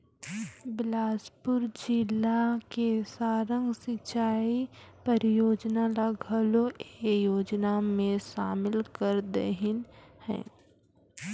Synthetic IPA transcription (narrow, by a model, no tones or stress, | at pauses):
bɪlaːspʊɾd͡ʒɪlakesaːɾə̃ŋɡsɪt͡ʃaːipəɾjoːd͡ʒnalaɡʱəloejoːd͡ʒnamẽʃaːmɪlkəɾd̪ḛɦɪnhɛ̰̃ː